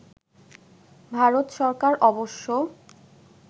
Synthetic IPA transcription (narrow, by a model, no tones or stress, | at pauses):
bʱaɾot̪ʃɔɾkaɾʔɔboʃːo